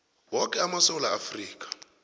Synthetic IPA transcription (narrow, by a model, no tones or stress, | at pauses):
wɔkʼɛamasɔwulaafriːkʼḁ